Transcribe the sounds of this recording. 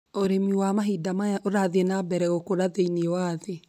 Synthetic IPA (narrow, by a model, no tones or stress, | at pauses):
oɾemiwamaɦidamajaʔoɾaðeenabɛɾɛɣokoɾaðeineewaðe